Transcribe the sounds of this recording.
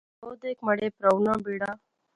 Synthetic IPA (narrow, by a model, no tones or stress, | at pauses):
od̪ekməɽepɾəwnəbiɽa